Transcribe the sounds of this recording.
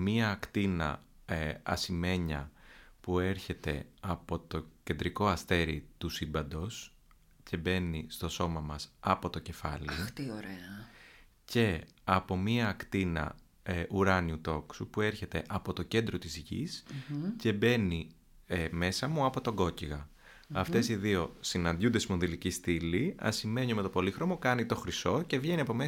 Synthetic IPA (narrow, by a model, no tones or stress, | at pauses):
miɐːkt̪inɐ̰ | ɐ̰sime̞ɲɐ̰pue̞ɾçe̞t̪e̞ɐpo̞t̪o̞ce̞nd̪ɾiko̞ɐst̪e̞ɾit̪usibɐnd̪o̞s | ce̞be̞nist̪o̞so̞mɐmɐsɐpo̞t̪o̞ce̞fɐ̰lit̪ioɾeɐ | ce̞ | ɐpo̞miɐːkt̪inɐ̰ | ʔuɾɐniut̪o̞ksupue̞ɾçe̞t̪e̞ʔɐpo̞t̪o̞ce̞nd̪ɾot̪izʝḭsce̞be̞ni | eme̞sɐmuɐpo̞t̪o̞ɡo̞ciɣɐ | ɐft̪e̞siðio̞sinɐnd̪jund̪esimoðilicist̪iliɐ̰sime̞ɲiome̞t̪opo̞lixɾo̞mo̞kɐnit̪o̞xɾiso̞ce̞vʝe̞niɐpo̞me